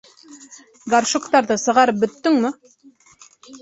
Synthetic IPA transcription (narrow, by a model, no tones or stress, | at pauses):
ɡarʃŏkt̪ɑɾðɤsɤ̆ʁɑɾɤp̚bɵ̆t̪ːɵŋmɘ